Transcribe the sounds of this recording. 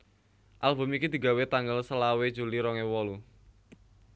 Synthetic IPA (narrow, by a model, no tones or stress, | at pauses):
ʔalbʊ̤mikid̪̥i̤ɡawet̪aŋɡəlsəlawe̥d͡ʒṳliɾɔŋewɔlu